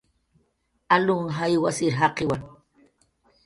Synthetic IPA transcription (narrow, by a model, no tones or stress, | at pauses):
alʊŋɦajwasɪɾɦaqɪwaŋ